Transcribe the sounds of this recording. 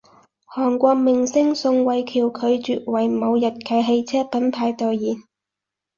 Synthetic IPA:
hɔː˨˩ŋkʷɔː˧k̚mɪ˨ŋsɪ˥ŋsʊ˧ŋwɐ˨jkʰiː˨˩wkʰɵ˨˧ɥt͡ʃyː˨t̚wɐ˨˩jmo˨˧wjɐ˨t̚kʰɐ˨˧˥jɦe˧jt͡sʰɛː˥pɐ˨˥npʰaː˧jt̪ɔ˨wjiː˨˩n

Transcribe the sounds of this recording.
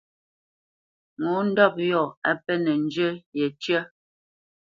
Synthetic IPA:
ŋu˨˦n̩˦dɔ˦˨p̚jɔ˦˨a˦pɛ˦nɛ˨n˦d͡ʒə˦jɛ˨t͡ʃə˦

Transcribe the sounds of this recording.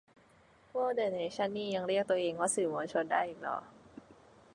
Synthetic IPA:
poː˧˥de˨˩na˨˩t͡ɕʰa˦˥nːiː˧˩ja˧ŋɾi˥˩k̚t̪u˧ɐʔeː˧ŋkɔaː˥˩sɯː˨˩moː˧nt͡ɕʰo˧nda̰ː˥˩jʔiː˨˩k̚lɔ̰ː˨˩˦

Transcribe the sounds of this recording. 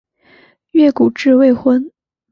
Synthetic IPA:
ɥɛ˥˩ku˨˩ʈ͡ʂɻ̩˥˧we˥˧ɪxwə˥n

